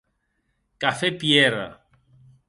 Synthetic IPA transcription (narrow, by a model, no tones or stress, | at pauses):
kafepjeɾa̰